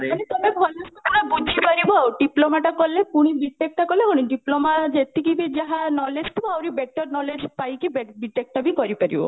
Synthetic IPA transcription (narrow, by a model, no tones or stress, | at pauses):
anet̪ɔmebʱɔlɔsɔk̪unabud͡ʒʱipaɾibɔwɖiplomaʈakɔlekuɽ̃iɖiʈek̚ʈakɔlekuɽ̃iɖiplomad͡ʒet̪ikibid͡ʒaɦanɔled͡ʒt̪ʰuawɾibek̚ʈɔɾnɔled͡ʒpajkibeɖiʈek̚ʈabikɔɾipaɾḭbɔ̰